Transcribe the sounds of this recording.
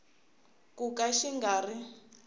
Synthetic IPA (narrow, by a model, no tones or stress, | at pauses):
kukaʃiŋɡaːri